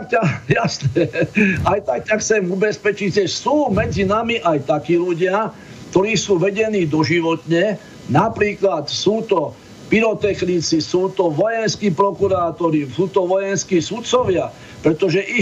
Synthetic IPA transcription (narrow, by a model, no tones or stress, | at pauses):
akajasnɛajt̪ak̚caxt͡sɛmubɛspɛt͡ʃiɟʒɛsuːmɛd͡zinamiʔajt̪akiːluɟɪa | kt̪ɔɾiːsuːʋɛɟɛniːd̪ɔʒiʋɔt̪ɲɛ | napɾiːklat̪suːt̪ɔ | piɾɔt̪ɛxnit͡sisuːt̪ɔʋɔjɛnskiːpɾɔkuɾaːt̪ɔɾisuːt̪ɔʋɔjɛnskiːsut̪t͡sɔʋɪa | pɾɛt̪ɔʒɛʔi